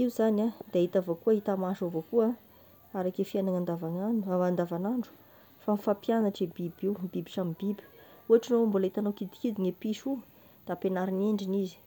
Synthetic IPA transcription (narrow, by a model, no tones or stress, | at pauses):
iuzanad̪̥ait̪avokuaɦit̪amaʃovokua | aɾakefianaŋand̪avanaand̪avanaɳɖ͡ʐu̥ | famifapjanaʈ͡ʂebibiwbibiʈ͡ʂamibibi̥uaʈ͡ʂinoambulait̪anawkid̪i̥kid̪iŋepiʃu | d̪̥apenaɾineɳɖ͡ʐinizi̥